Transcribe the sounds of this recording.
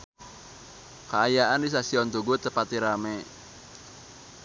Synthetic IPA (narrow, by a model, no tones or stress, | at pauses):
kaːjaʔandis̬asiɔnt̪uɡut̪əpat̪iɾamɛ